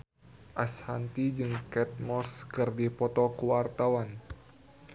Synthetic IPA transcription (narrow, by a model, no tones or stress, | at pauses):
ʔashant̪id͡ʒɨŋkɛt̪̚mɔskɨrdipɔt̪ɔkuwart̪awan